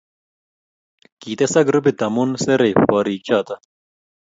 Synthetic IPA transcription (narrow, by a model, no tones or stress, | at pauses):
kiːt̪esɐɡɾubit̪ɐmunseɾejɸɔːɾiːk̚t͡ɕaːt̪ɐ